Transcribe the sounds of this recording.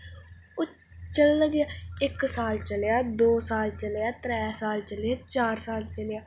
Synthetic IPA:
ʊ | t͡ʃəlːəɡjaːɪksaːlt͡ʃəlejaːd̪oːsaːlt͡ʃəlejaːt̪ɾɛːsaːlt͡ʃəljaːt͡ʃaːɾsaːlt͡ʃəlejaː

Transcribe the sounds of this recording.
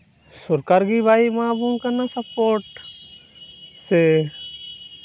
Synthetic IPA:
sʊɾkaːɾɡiːbʱaːimãːbuːnkəɾnasəpoːʈ | se

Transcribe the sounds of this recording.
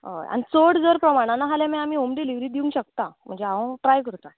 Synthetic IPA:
ɦo̰ja̰ñit͡soɽd͡zəɾpɾəmaɽ̃anaɦalamiamiːomɖiliʋɾiːd̪iũŋkɕəkt̪am̤ə̰ɳd͡zeaʋə̃ʈɾajkəɾt̪a

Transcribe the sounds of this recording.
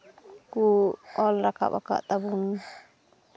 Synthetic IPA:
kuɔlɾaka̰ba̰ka̰ʔt̪abun

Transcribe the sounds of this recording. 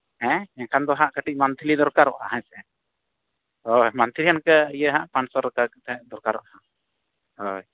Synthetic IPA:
hɛ̃ɛkʰand̪ɔɦãʔkəʈic̚ˀmant̪ʰilid̪ɔɾkaɾɔ̰ʔhaɦɛ̃sɛɛ̃ | hojmant̪ʰilijankəijəɦãʔpansɔɾəkakt̪ɛɛ̃ʔd̪ɔɾkaɾɔ̰ʔhã | hoj

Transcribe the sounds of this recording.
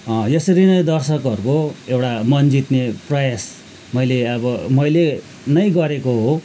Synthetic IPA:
jʌsʌɾinʌjd̪ʌrsʌkɦʌɾukoewʈamʌnd͡zit̪neprʌjas | mʌjleʌbʌmʌjle | nʌjɡʌɾekoɦo

